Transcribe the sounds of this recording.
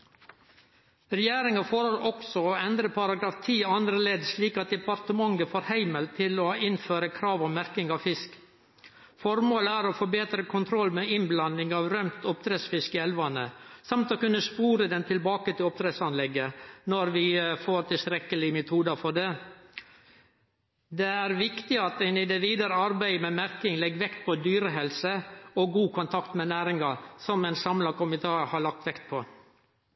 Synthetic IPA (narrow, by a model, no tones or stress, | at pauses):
ɾɛjæːɾɪŋɑfoːɾoɾʔɔksɔoːɛnd̪ɾəpʰɑɾɑɡɾɑːft̪ʰiːɑnd̪ɾəleːd̪ʂliːkɑt̪̚d̪ɛpɑɾt̪əmɑŋəfoːɾhæɪməlt̪ʰɪloːɪnføːɾəkʰɾɑːʋɔmːæɾkɪŋɑʋfɪsk | fɔɾmoːləæːɾoːfoːbeːt̪ɾəkʰʊnt̪ʰɾɔlːmeɪnblɑnɪŋɑːʋɾœmt̪ɔp̚t̪ɾeːsfɪskəɛlʋɑnəsɑmt̪ɔkʉnːəspuːɾəd̪ɛnt̪ʰɪlbɑːkət̪ʰɪlɔp̚t̪ʰɾɛsɑnlɛɡːənɔɾʋɪfoːɾt̪ʰɪlst̪ɾɛkəlɪmɛt̪ʰuːd̪ɑfɔɖeː | d̪eæːɾʋɪkt̪ɪɑt̪æɪnɪd̪ɛʋiːd̪əɾəɑɾbæɪmɛmæɾkɪŋlɛɡːʋɛkt̪̚pʰɔd̪yːɾəɦɛlsəɔɡuːkʰʊnt̪ʰɑkt̪mɛnæːɾɪŋɑsɔmɛɪnsɑmlɑkʊmɪt̪ʰɑːhɑɭɑk̚t̪ʋɛkt̪̚pʰɔ